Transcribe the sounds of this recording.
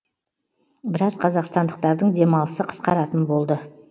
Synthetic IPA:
bɪɾɑzqʰɑzɑqst̪ɑnd̪əq̚t̪ɑɾd̪əɴd̪e̞mɑlˠəsəqʰə̥sqɑɾɑt̪ənbo̞lˠd̪ə

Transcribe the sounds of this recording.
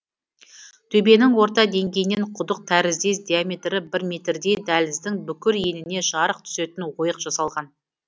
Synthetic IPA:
t̪ʰɵbe̞nɪŋwo̞ɾt̪ɑd̪e̞ŋɡʲe̞jɪneɴqʰʊd̪əq̚t̪ʰæɾɪzd̪e̞sd̪iame̞t̪ɾɪbɪɾme̞t̪ɾd̪e̞d̪ælɪzd̪ɪŋbʏkʲɪɾje̞nɪne̞ʒɑɾəq̚t̪ʰʏ̥se̞t̪ɪnwo̞jəqʒ̥ɑsɑlˠʁɑn

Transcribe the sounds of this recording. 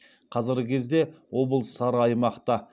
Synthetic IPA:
qʰɑzɪɾɡʲɪkʲʰe̞zd̪e̞wo̞bəlˠsɑɾɑjmɑqt̪ɑ

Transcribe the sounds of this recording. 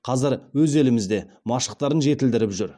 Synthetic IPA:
qʰɑzəɾwɵze̞lɪmɪzd̪e̞ | mɑʃə̥q̚t̪ɑɾənʒe̞t̪ɪld̪ɪɾɪpʒʏɾ

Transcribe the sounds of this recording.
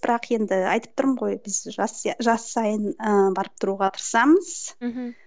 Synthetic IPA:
b̥ɪɾɑqje̞nd̪ɪɑ̰jt̪əp̚t̪ʰʊɾəmʁo̞jbɪzʒɑsʒɑsːɑjənəbɑɾəp̚t̪ʰʊɾuʁɑt̪ʰə̥ɾsɑməz̥

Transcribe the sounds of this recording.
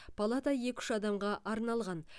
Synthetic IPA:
pʰɐlˠat̪ɑje̞kʲʏ̥ʃɑd̪ɑmʁɑʔɑɾnɑlˠʁɑn

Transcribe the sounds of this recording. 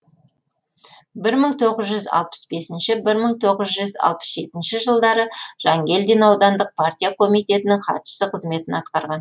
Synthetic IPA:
bɪɾməɴt̪ʰo̞ʁəzʒʏzɑ̰lˠpə̥sbe̞sɪnʃɪbɪɾməɴt̪ʰo̞ʁəzʒʏzɑ̰lˠpə̥sʒe̞t̪ɪnʃɪʒəlˠd̪ɑɾəʒ̥ɑŋɡʲe̞ld̪enɑwd̪ɑnd̪əq̚pʰart̪ʲijakʰo̞mijt̪e̞t̪ɪnɪŋχʰɑ̰t̪ʃə̥səqʰəzme̞t̪ɪnɑt̪qɑɾʁɑn

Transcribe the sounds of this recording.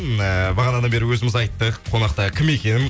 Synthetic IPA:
nəbɑʁɑnɑd̪ɑnbe̞ɾɪwɵzɪmɪzɑjt̪ːəqːʰo̞nɑq̚t̪ɑkʲʰɪme̞kʲe̞nɪm

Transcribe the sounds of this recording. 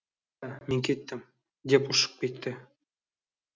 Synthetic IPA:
mʲeŋʲkʲet̪ʲːɘ̆m | d̪ʲepuʃɤ̥̆q̚pʲet̪ʲːɘ̆

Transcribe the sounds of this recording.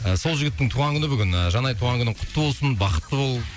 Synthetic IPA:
əso̞lˠʒɪɡʲɪt̪ːɪŋt̪ʰuʁɑŋkʲʏnɪbɪɡʲɪnəʒɑnɑjt̪ʰuʁɑŋkʰʏnɪqʰʊ̥t̪ːəbo̞lˠsənbɑqə̥t̪ːəbo̞lˠ

